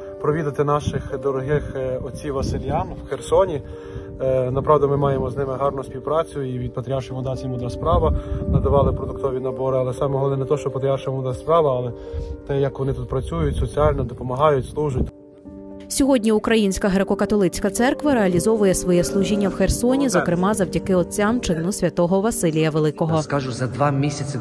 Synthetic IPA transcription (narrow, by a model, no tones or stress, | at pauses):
pɾɔʋʲid̪ɐt̪ɪnɑʃɪxd̪ɔɾɔɦɪxɔt͡sʲiʋɐsɪlʲjamwxersɔnʲi | nɐpɾɑʋd̪ɐmɪmɑjemɔznɪmɪɦɑrnʊsʲpʲiwpɾɑt͡sʲʊiʋʲid̪̚pɐt̪ɾʲiɑrʃɪmʊd̪ɑsʲɐmʊd̪ʲaspɾɑʋɐnɐd̪ɐʋɑlˠɪpɾɔd̪ʊkt̪ɔʋʲinɐbɔɾɪɐlˠɛsɑmɛɦɔlˠɔnɛnɛt̪ɔʃt͡ʃɔpɐt̪ɾʲiɑrʃɐmʊd̪asʲspɾɑʋɐːlˠɛ | t̪ɛjɐkʋɔnɪt̪ut̪pɾɐt͡sʲujʊt̚ʲsɔt͡sʲialʲnɔd̪ɔpɔmɐɦɑjʊtʲslˠuʒʊt̚ʲ | sʲɔɦɔdʲnʲiukɾɐjinʲsʲkɐɦɾekɔkɐt̪ɔlˠɪt͡sʲkɐt̪sɛrkʋɐɾeɐlʲizɔʋʊjɛsʋɔjɛslˠuʒʲinʲːɐwxersɔnʲizɔkɾɪmɑzɐwdʲɐkɪɔt͡sʲamt͡ʃɪnʊsʲʋʲɐt̪ɔɦɔʋɐsɪlʲijɐʋelˠɪkɔɦɔkaʒʊzɐd̪ʋɑmʲisʲɐt͡sʲɪ